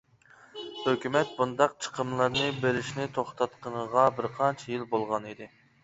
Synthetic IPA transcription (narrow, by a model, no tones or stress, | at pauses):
høkʲymɛt̪̚bund̪ɑq̚t͡ʃʰə̥qʰəmlˠɨɾnɨbeɾɪʃnɪt̪ʰoχt̪ʰɑt̪qʰənəʁɑbɪɾqʰɑnt͡ʃʰijilbolˠʁɑnid̪ɪ